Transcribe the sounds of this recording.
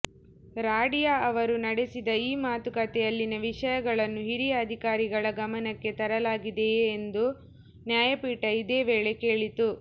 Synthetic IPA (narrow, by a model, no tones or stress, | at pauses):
ɾaːɽijaːɐʋɐɾunɐɽesid̪ɐiːmaːt̪ukɐt̪ɛjɐlːinɐʋiʂɐjɐɡɐɭɐnːuɦiɾijɐːd̪ʱikaːɾiɡɐɭɐɡɐmɐnɐkːe̞t̪ɐɾɐlaːɡid̪eːnd̪u | njaːjɐpiːʈɐid̪e̞ːʋeːɭe̞ke̞ːɭit̪u